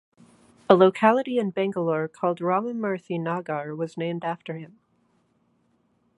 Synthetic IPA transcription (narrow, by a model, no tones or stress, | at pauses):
əloʊkʰælˠəɾiɨ̃nbæ̃ŋɡəlɔɹkʰɔlˠd̚ɹɑmɨ̃nmɜ˞θinɑɡɑɹwʌznẽɪ̃mdæftə˞ɪ̃m